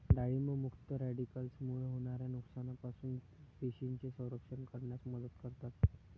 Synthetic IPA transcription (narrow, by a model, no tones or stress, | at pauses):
ɖaɭiməmukʰt̪əɾæɖikəlsmuɭɦoɽ̃aɾjanuksanapasuːn | p̪eɕiɲt͡ɕesə̃w̃ɾəkʂənkəɾɳjasməd̪ət̪kəɾt̪aɾt̪